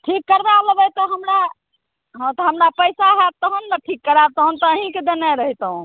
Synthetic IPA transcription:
ʈʰikːəɾdaləbət̪ɔɦəmɾa | ɦə̃t̪ɔɦəmɾapəjsaɦɛt̪əɦənːəʈʰikːəɾat̪ɔɦənt̪ɔəɦĩked̪enɛɾəɦit̪əũ

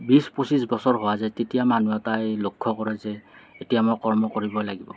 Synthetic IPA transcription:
bispusisbɔsɔɹɦowazɛtetijamanuatajlokʰːɔkɔɹɛzɛetijamɔkɔɹmɔkoɹibɔlaɡibɔ̰

